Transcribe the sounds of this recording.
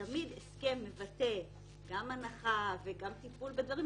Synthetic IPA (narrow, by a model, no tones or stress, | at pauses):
amid̪eske̞mːe̞vat̪e̞ | ɡamanaχaveɡamt̪ipulbe̞d̪vaʁi